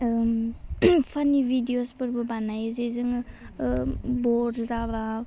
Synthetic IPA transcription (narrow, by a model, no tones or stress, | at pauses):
pʰanibʱidiospɯɾbɯbanajzɯjzɯŋ | bɔɾzaba